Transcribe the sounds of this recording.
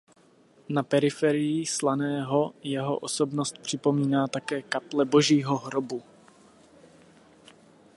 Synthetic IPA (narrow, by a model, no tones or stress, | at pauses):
napɛɾɪfɛɾɪjislanɛːɦo̞jɛɦo̞̰ʔoso̞bnost̪̚pr̝̥ɪpo̞miːnaːt̪akɛːkaplɛbo̞ʒiːɦo̞ɦɾobu